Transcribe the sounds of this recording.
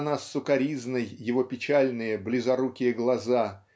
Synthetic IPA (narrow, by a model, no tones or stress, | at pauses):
nasːʊkɐɾʲiznɨjːɪvo̞pʲɪt͡ɕalʲnɨjəblʲɪzɐɾukʲɪjəɡlˠɐza